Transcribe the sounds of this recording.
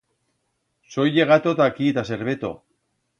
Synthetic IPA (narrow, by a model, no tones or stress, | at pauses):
so̞jeɣat̪ot̪akiet̪ase̞ɾβet̪o̞̰